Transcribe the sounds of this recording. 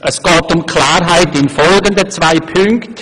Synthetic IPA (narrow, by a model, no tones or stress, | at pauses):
ʔəsɡ̥ɑːtʊmkʰlaːɾɦaɪtɪnfɔlɡəndət͡svaɪpʰʏŋkt